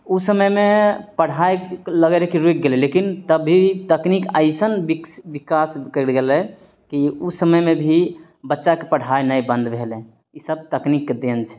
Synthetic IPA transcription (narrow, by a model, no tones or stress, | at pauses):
usəməjmepəɽ̤ajləɡeɾekeɾoik̚ɡelɛlekint̪əbʱit̪əknikə̰ɪsənbibikaskəlɡelɛ | kiusəməjmebʱi | bətːʃakepəɽ̤ajnəjbə̃nd̪ʱbʱelɛ̃ | isəb̚t̪əknikːed̪ent͡ʃʰɛ̥